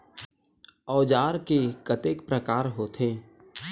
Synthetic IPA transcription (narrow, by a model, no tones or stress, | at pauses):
ɔːd͡ʒaːɾkekət̪eːkpɾəkaːɾɦoːt̪ʰeː